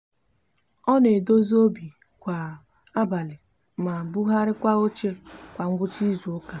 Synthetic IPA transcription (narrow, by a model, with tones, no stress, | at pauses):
ɔ˦ne˨do˦zo˦bi˨ | kʷa˨ | a˦ba˨lɪ˨ | ma˨bu˦ɦa˦ɾɪ˦kʷa˦o˦t͡ʃe˦kʷa˨ŋ̩˦ɡʷʊ˦t͡ʃi˦zu˨ʊ˦ka˦